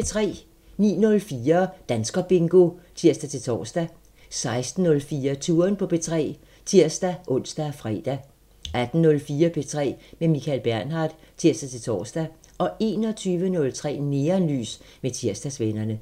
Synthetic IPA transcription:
et͡sʰʁɛ̰ː | nḭːnɔ̽lfiːɐd̥ænsɡ̥ɐb̥e̝ŋɡ̥o̝t͡sʰiɐ̰sd̥æt͡sʰe̝t͡sʰɒ̰ːsd̥æ | sɑ̈ɪsd̥n̩ːɔ̽lfiːɐt͡sʰuːɐnpʰɒ̽pʰe̝t͡sʰʁɛ̰ː | t͡sʰiɐ̰sd̥æʔɔ̽n̰sd̥æfʁɛ̰d̥æ | æd̥n̩ːɔ̽lfiːɐpʰet͡sʰʁɛ̰ːmemikʰælb̥æɐnɦɑ̈ːd̥t͡sʰiɐsd̥æt͡sʰe̝t͡sʰɒ̰ːsd̥æʔɒ̽e̝̰ːnɒ̽t͡sʰyːʋənɔ̽lt͡sʰʁɛ̰ːne̝ːɐnly̰ːsmet͡sʰiɐ̰sd̥æsʋenɐnə

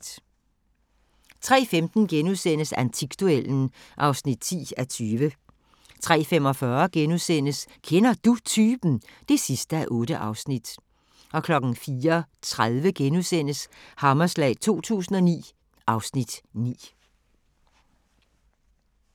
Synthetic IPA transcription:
t͡sʰʁɛ̰ːfemd̥n̩ɡ̥enuðˠsen̰əsænt͡sʰiɡ̥̚d̥uel̰n̩ | ʔɑ̈ʊsnid̥̚t͡sʰḭːæt͡sʰyːʋə | t͡sʰʁɛ̰ːfem̰ɒ̽fɶɐɡ̥enusen̰əskʰenɐd̥ut͡sʰyːb̥n̩d̥e̝sisd̥əæʔɔ̽ːɾ̥əʔɑ̈ʊsnid̥ | ʔɒ̽kʰlɒ̽ɡ̥n̩fiːɐt͡sʰʁaðˠʋəɡ̥enusen̰əshɑ̈mɐslɛ̰ːt͡sʰo̝̰ːt͡sʰṵːsn̩ɒ̽nḭː | ʔɑ̈ʊsnid̥nḭː

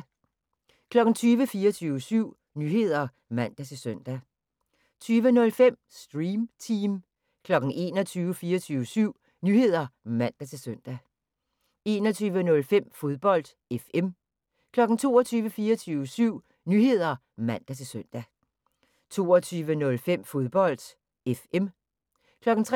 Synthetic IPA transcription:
kʰlɒ̽ɡ̥n̩t͡sʰyːʋəfiːɐt͡sʰyːʊʋəsyʊ̰ | nyːɦe̝ð̞̰ˠɐ | mæn̰d̥æt͡sʰe̝lsøn̰d̥æ | t͡sʰyːʋənɔ̽lfem̰sd̥ʁiːmt͡sʰim | kʰlɒ̽ɡ̥n̩ʔe̝ːnɒ̽t͡sʰyːʊəfiːɐt͡sʰyːʋəsyʊ̰ | nyːhe̝ð̞̰ˠɐmæn̰d̥æt͡sʰe̝lsøn̰d̥æ | e̝ːnɒt͡sʰyːʋənɔ̽lfem̰fo̝ð̞ˠb̥ɒ̽l̰d̥ | efem | kʰlɒ̽ɡ̥n̩t͡sʰo̝ːɒt͡sʰyːʋəfiːɐɒt͡sʰyːʊʋəsyʊ̰ | nyːhe̝ð̞̰ˠɐ | mæn̰d̥æt͡sʰe̝søn̰d̥æ | t͡sʰo̝ːɒt͡sʰyːʋənɔ̽lfem̰fo̝ð̞ˠb̥ɒ̽l̰d̥ | efem | kʰlɒ̽ɡ̥n̩t͡sʰʁ

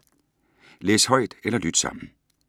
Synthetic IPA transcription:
leːshɒ̽ɪ̰d̥elɐlyd̥sɑ̈m̰n̩

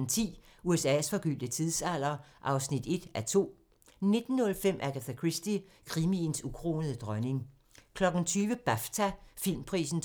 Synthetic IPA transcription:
n̩t͡sʰḭːuesɛ̰sfɒ̽ɡ̥yl̰d̥ət͡sʰiðˠsæl̰ɐʔɑ̈ʊsnid̥e̝d̥æt͡sʰo̝̰ː | ne̝d̥n̩ːɔ̽lfem̰ʔækʰæt͡sekʰʁisd̥i | kʰʁiminsukʰʁo̝̰ːnəðˠəd̥ʁɶne̝ŋ | kʰlɒ̽ɡ̥n̩t͡sʰyːʋəb̥æft͡sʰæfil̰mpʰʁḭːsn̩

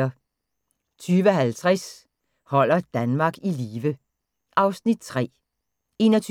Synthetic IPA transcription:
ɐ | t͡sʰyːʋəɒɦælt͡sʰʁɛs | hɒ̽l̰ɐd̥ænmɑ̈ːɡ̥iliːʋə | ʔɑ̈ʊsnid̥̚t͡sʰʁɛ̰ː | e̝nɒt͡sʰ

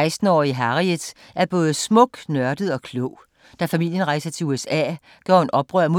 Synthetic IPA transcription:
ɪsd̥n̩ɒ̰ːiɦɑ̈ʁiəð̥ˠ | ʔæɐb̥ɔ̽ːð̞̩ˠsmɔ̽ɡ̥nɶɐd̥ð̩ˠɒ̽kʰlɔʊ̰ | d̥æfæmil̰jənʁɑ̈ɪsɐt͡sʰe̝uesɛ̰ː | ɡ̥ɒ̰ːe̝nʔɒ̽b̥ʁœɐmo

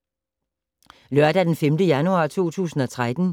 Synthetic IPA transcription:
lɶɐd̥æd̥enfemd̥əjænuɑ̰̈ːt͡sʰo̝̰ːt͡sʰṵːsn̩ɒ̽t͡sʰʁad̥n̩

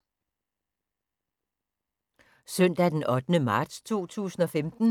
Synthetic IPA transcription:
sœn̰d̥æd̥enɒ̽d̥ənəmɑ̈ːd̥st͡sʰo̝̰ːt͡sʰṵːsn̩ɒ̽femd̥n̩

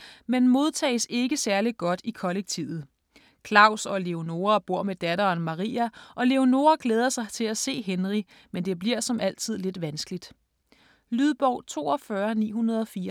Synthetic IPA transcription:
menmo̝ð̞ˠt͡sʰɛ̰ːɪse̝ɡ̥əsæɐliɡ̥ɒ̽d̥ikʰɒ̽leɡ̥̚t͡sʰiʊð̩ˠ | kʰlɑ̈ʊsɒ̽le̝o̝no̝ːɐb̥o̝ɐ̰med̥æɾ̥ɐːnmɑ̈ʁḭːæʔɒ̽le̝o̝no̝ːɐɡ̥leːð̞ˠɐsɑ̈ɪt͡sʰe̝læse̝̰ːɦenʁi | mend̥e̝b̥liɐ̰sɒ̽mʔæl̰t͡sʰið̞̰ˠle̝d̥ʋænsɡ̥əlid̥ | lyðˠb̥ɒʊ̰t͡sʰo̝̰ːɒfɶɐnḭːɦunɐð̞ˠɒ̽fiːɐ

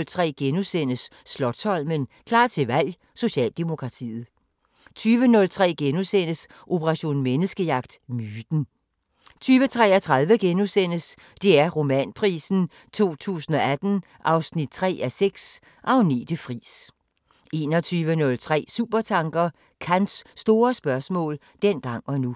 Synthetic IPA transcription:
lt͡sʰʁɛ̰ːɡ̥enusen̰əsːlɒ̽d̥sɒ̽l̰mənkʰlɑ̰̥̈ːt͡sʰe̝ʋæl̰ | so̝ɕɛ̰ːld̥emo̝kʰʁɑ̈t͡sʰḭːð̩ˠ | t͡sʰyːʋənɔ̽lt͡sʰʁɛ̰ːɡ̥enusen̰əs | ʔo̝pʰəʁɑ̈ɕo̝̰ːnmenəsɡ̥əjɑ̈ɡ̥̚d̥myːd̥n̩ | t͡sʰyːʋət͡sʰʁɛ̰ːɐt͡sʰʁɑ̈ðˠʋəɡ̥enusen̰əs | d̥e̝æɐʁo̝mɛ̰npʰʁḭːsn̩ | t͡sʰo̝̰ːt͡sʰṵːsn̩ɒ̽æd̥n̩ | ʔɑ̈ʊsnid̥̚t͡sʰʁɛ̰ːæseɡ̥s | ʔɒʊnḭd̥əfʁḭːs | e̝ːnɒt͡sʰyːʋənɔ̽lt͡sʰʁɛ̰ːsuːb̥ɐt͡sʰɑ̈ŋɡ̥ɐ | kʰænsːd̥o̝ːɐsb̥ɶɐsmɔ̰̽ːl | d̥en̰ɡ̥ɑ̈ŋ̰ɒ̽nu

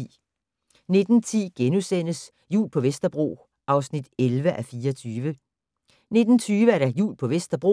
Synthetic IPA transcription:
ne̝d̥n̩t͡sʰḭːɡ̥enusen̰əs | jṵːlpʰɒ̽ʋesd̥ɐb̥ʁo̝̰ː | ʔɑ̈ʊsnid̥elʋəʔæfiːɒt͡sʰyːʋə | ne̝d̥n̩t͡sʰyːʋəæɐɾæjṵːlpʰɒ̽ʋesd̥ɐb̥ʁo̝̰

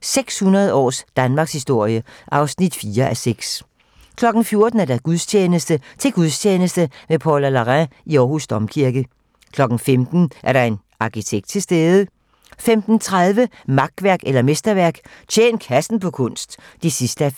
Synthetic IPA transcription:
seɡ̥shunɐð̞̩ˠəɒ̰ːsd̥ænmɑ̈ːɡ̥shisd̥o̝ɐ̰jəʔɑ̈ʊsnid̥fiːɐʔæseɡ̥s | kʰlɒ̽ɡ̥n̩fjo̝ɐd̥n̩æɐd̥æɡ̥uðˠst͡ɕʰeːnəsd̥ət͡sʰe̝ɡ̥uðˠst͡ɕʰeːnəsd̥əʋepʰɒlælɑʁæiɒːɦhusd̥ɒ̽mkʰiɐɡ̥ə | kʰlɒ̽ɡ̥n̩femd̥n̩ʔæɐɾɑ̈e̝n | ɑ̈kʰit͡sʰeɡ̥d̥̚t͡sʰe̝lsd̥eːðˠə | femd̥n̩t͡sʰʁaðˠʋə | mɑ̈ɡ̥̚ʋæɐɡ̥elɐmesd̥ɐʋæɐɡ̥t͡ɕʰḛːnkʰæsn̩pʰɒ̽kʰɔ̽n̰sd̥ | d̥isisd̥əæ

